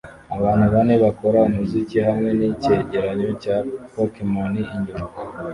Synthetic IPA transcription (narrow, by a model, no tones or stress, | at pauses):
aβaːn̥uβane̞βako̞ɾaumuzikihamŋe̞nice̞ɟeɾaɲo̞capokemoniːɲɟoma